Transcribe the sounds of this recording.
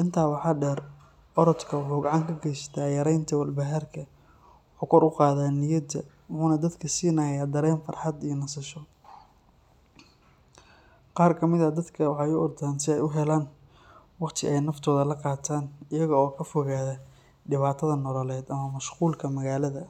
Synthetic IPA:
ʔɪnt̪ʰaːwɑħɑːɖɛːr | ʔɔɾɔt̪kʰɐwʊħuːɡɑʕɑŋkʰɐɡɛjsɐ̥t̪ʰaːjɐɾɛjnt̪ʰɐwɐlbɐɦɛrkʰɐ | wħʊkʰɔɾʊqɑːðaːnɪjɐd̪ɐ̰ | wʊħuːnɐd̪ɐd̪kʰɐsiːnɐjaːd̪ɐɾɛːnfɐ̰rħɑd̪ijɔnɐsɐʃɔ | qɑːrkʰɐmɪðɐd̪ɐd̪kʰɐwɑħɑjʊɔrd̪aːnsɪɛjʊɦɛlaːn | wɑqt̪ʰɪʔɛjnɐft̪ʰɔːðɐlɐqɑːt̪ʰaːnɪjɐɣɔɔːkʰɐfɔɣaːðɐ | ɖɪβaːt̪ʰɐðɐnɔlɔːlɛːd̪ɐmɐmɐʃquːlkʰɐmɐɣaːlɐðɐ

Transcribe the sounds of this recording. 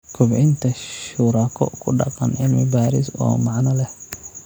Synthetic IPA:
kʰʊbʕɪnt̪ʰɐʃʊɾɑːkʰɔ̰kʰʊɖɑ̰qɑ̰nʔɪlmɪbaːɾɪsɔ̰ːmɑʕnɐlɛh

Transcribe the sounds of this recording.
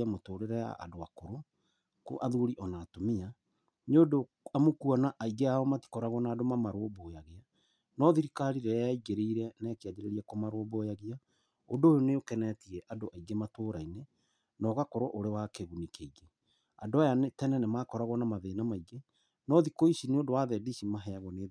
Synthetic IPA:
amotoːɾeɾɛja̰ʔa̰doakoɾo | ko̰ʔaðuɾiʔɔnaːtomea | nodo | amokuɔnaʔaiɡeaɔmati̥kɔɾaɣɔnaːdomamaɾoːbojaɣea | nɔðiɾikaɾiɾeɛjaiɡeɾeiɾɛnɛkeadeɾeɾiakomaɾoːbojaɣea | ondoːjoneokɛnɛtiɛʔadoʔaiɡematoːɾaine | nɔɣakɔɾwɔʔoɾewakeɣunikʰeiɣe | adoajanetɛnɛnemakɔɾaɣɔnamaðeːnamaiɣe | nɔðikoiʃineodowaðɛdiʃimaɦɛaɣɔne

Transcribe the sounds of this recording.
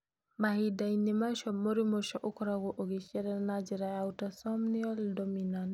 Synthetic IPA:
mahidajnimaʃɔmoɾimɔʃɔʔukɾaɡɔʔoɡiʃɛɾɛnad͡ʒiɾajawtasɔmniɔldominan

